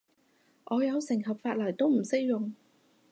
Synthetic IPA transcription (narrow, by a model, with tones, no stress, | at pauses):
ʔɔː˨˧jɐ˨˧wsɪ˨˩ŋɦɐ˨p̚faː˧t̚lɐ˨˩jt̪o˥wm̩˨˩se˥k̚jʊ˨ŋ